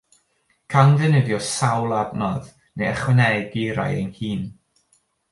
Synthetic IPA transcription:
kʰanðɨnədjɔsawlˠadnɔð | nejɛχwɛnɛɡiɾa̰jḛnhiːn

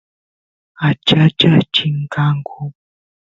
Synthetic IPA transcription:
at͡ʃat͡ʃat͡ʃiŋ̩kaŋkʰo

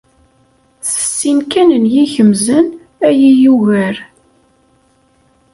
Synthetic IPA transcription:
θə̥sːinkænənjiçəmzən | æjijuʝæɾ

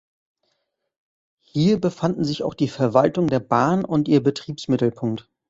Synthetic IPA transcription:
hiːɐbəfandn̩zɪçaʊxd̥iːfɛɐvaltʊŋdeːɐbaːnʊntʔiːɐbətʁ̥iːpsmɪtl̩pʰʊŋkt

